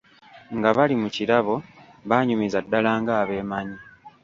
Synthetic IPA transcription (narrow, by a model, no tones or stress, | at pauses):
ŋɡaβalimucilaβo̞ | βaːɲumizadːalaːŋɡaːβe̞ːmaɲi